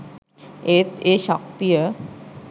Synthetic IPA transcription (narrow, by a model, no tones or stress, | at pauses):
et̪eʃək̚t̪ijə